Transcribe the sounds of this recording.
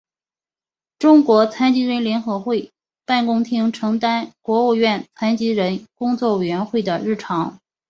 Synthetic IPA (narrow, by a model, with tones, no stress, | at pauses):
ʈ͡ʂʊ˥ŋkwɔ˧˥t͡sʰa˥nt͡ɕi˧˥ɻə˧˥nljɛ˧˥nxɤ˧˥xwe˥˩ɪ | pa˥˩nkʊ˥ŋt̪ʰi˥ŋʈ͡ʂʰɤ˧˥ŋt̪a˥nkwɔ˧˥u˥˧ɥɛ˥˩nt͡sʰa˥nt͡ɕi˥ɻə˧˥nkʊ˥ŋt͡swɔ˥˩we˨˩ɥɛ˧˥nxwe˥˩ɪd̪ə˩ɻɻ̩˥˩ʈ͡ʂʰɑ˧˥ŋ